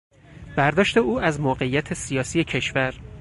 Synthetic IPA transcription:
b̥æɾd̪ɒːʃt̪e̞uːæzmoːɢe̞ijæt̪ʰesijɒːsije̞cʰe̞ʃvæɾ

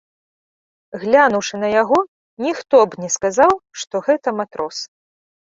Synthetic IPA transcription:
ɣlʲanuwʂɨnɐjaɣɔ | nʲixt̪ɔbnʲɛskazawʂt̪ɔɣɛt̪ɐmat̪ɾʔɔs

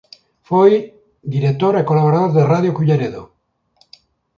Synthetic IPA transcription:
foj | d̪iɾek̚t̪oɾekolaβoɾaðoɾðeraðjokuʎeɾeðo

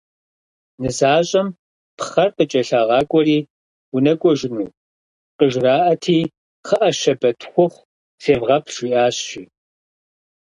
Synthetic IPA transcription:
nɨzaːɕʼɐm | pʰχɐrqət͡ʃʼɐɬaːʁɑːkʷʼɔriː | wʊnɐkʷʼɔʒɪnuː | qəʒraːʔɐtʰiː | χɐʔɐʃɐbɐtʰxʷʊχʷ | seːvʁɐpʰʃʷiːʔaːɕɕiː

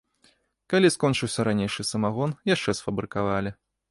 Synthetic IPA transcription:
kalʲiskɔnt͡ʂɨwsʲɐɾanʲejʂɨsɐmaɣɔnjaʂt͡ʂɛsfɐbɾɨkavalʲi

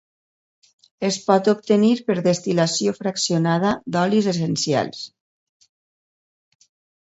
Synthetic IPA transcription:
espɔt̪op̚t̪eniɾpəɾðest̪ilasiofɾaksionað̞əd̪ɔlizes̬ensja̰lˠs

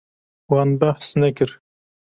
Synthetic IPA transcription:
wɑnbæħsnɛkɨɾ

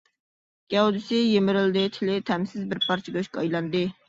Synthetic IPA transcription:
ɡ̥ʲɛud̪ɪsɪjemɪɾɪld̪ɪt̪ʰɪlɪt̪ʰɛmsɪzbɪɾpʰɑɾt͡ʃʰɪɡʲyʃkɑɑjlˠɑnd̪ɨ

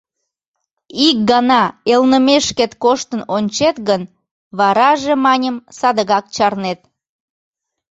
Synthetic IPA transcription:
ik̚ɡɑnɑelnəmeʃket̪koʃt̪ənonʲt͡ɕet̪ɣən | βɑɾɑʒemɑnʲəmsɑd̪əɣɑk̚t͡ɕɑrnet̪̚

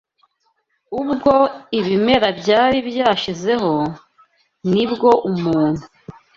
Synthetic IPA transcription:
ubɡo̞iβime̞ɾabɟaːɾibjaːʃize̞ɦo̞ | nibɡo̞ʔumuːn̥hu

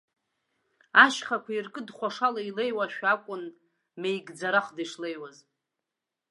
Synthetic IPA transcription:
aʃχakʷʰairkʼɨdχʷaʂalailejwaʃᶣakʷʼʊn | mejɡd͡zaɾaχdaʂlejwaz

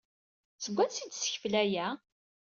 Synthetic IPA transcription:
səɡʷːænsid̪sə̥çflæjæ

